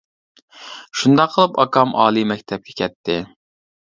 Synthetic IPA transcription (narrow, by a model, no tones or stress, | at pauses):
ʃund̪ɑqʰːəlˠɨpɑkʰɑmɑːlˠimɛkʲt̪ʰɛp̚kʲʰɛ̥kʲʰɛt̪ʰːɪ